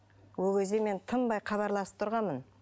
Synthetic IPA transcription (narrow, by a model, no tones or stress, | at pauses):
wokʲʰe̞zd̪eme̞nt̪ʰəmbɑjqʰɑβɑɾlˠɑsə̥p̚t̪ʰʊɾʁɑnmən